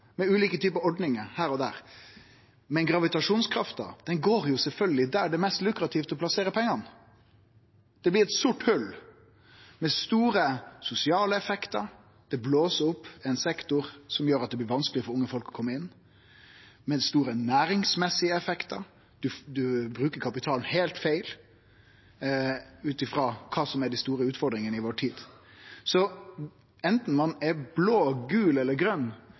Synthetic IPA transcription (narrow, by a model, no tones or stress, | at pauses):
mɛʉːliːkət̪ʰyːpəɔɖnɪŋəhæːɾɔd̪æ̰ːɾ | mɛnɡɾɑʋɪt̪ɑʂuːnskʰɾɑft̪ə̰d̪̥ɛnɡoːɾjʊsɛlfœlɡəlɪd̪æɖɛmɛst̪lʉkɾɑt̪ʰiːft̪ɔpʰlɑseːɾəpʰɛŋːɑn | d̪̥ɛblɪɾɛt̪sʊʈhʉl | mɛst̪uːɾəsʊsɪɑːləɛfɛkt̪əɾ | d̪̥ɛbloːsəʊpːɛɪnsɛkt̪ʊɾsɔmjøːɾɑt̪̚d̪ɛblɪʋɑnsklɪfɔɾʊŋːəfɔlkɔ̥kʰɔmːəɪnː | mɛst̪uːɾənæːɾɪŋsmɛsːɪəɛfɛkt̪əɾ | d̪̥ʉd̪ʉbɾʉːkəɾkʰɑpɪt̪ʰɑːln̩heɪlt̪fæɪl | ʉːt̪ɪfɾɑːkʰɑːsɔmæɖɛst̪uːɾəʉːt̪fɔɾd̪ɾɪŋənəɪʋoːʈʰiːd̪̥sɔ | ɛnt̪n̩mɑnɛɾbloːɡʉːlɛlːəɾɡɾœnː